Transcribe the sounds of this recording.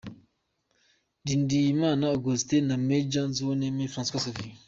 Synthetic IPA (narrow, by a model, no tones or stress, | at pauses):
dindijmanaɡoztenamed͡ʒãnzunemefɾãskasavi